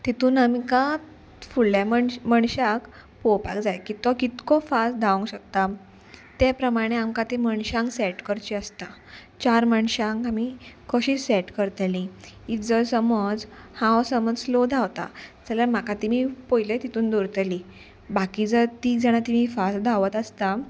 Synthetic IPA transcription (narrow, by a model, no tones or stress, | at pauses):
t̪it̪uːnamika | fuɭːjamməɳɕak | popa̰kd͡zajkit̪ɔkit̪kɔfast̪d̪ʱaʋũŋɡɕək̚t̪a | t̪apɾəmaɽ̃eamkat̪eməɳɕãŋksɛʈkəɾt͡ɕiəst̪a | t͡ɕaɾməɳɕãŋkamikʰəɕisɛʈkəɾt̪liit̪d͡zəɾsəməd͡zhãwsəməd͡zlɔd̪ʱawt̪a̰d͡zaljam̤akat̪imipojlet̪it̪uːnd̪oɾt̪li | bakid͡zət̪id͡zaɽ̃at̪imifas̚d̪ʱaʋət̪ast̪a